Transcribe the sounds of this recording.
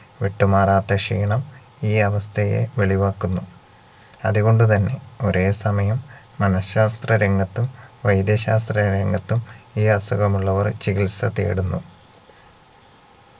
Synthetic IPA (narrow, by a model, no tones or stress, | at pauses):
ʋeʈːumaːraːt̪ːɐʂḭːɳɐm | iːɐʋɐst̪ʰɐje̞̰ʋeɭiʋaːkːunːu | ɐ̰ðuɣo̞ɳɖut̪ɐnːe̞o̞ɾʔe̞ːsɐmɐjɐmː | ɐnɐɕːaːst̪rɐɾeŋɡɐt̪ːumʋɐjd̪jɐɕaːst̪rɐɾeŋɡɐt̪ːumiːɐsuɣɐmuɭːɐʋɐrt͡ɕikilsɐt̪ḛːɽunːu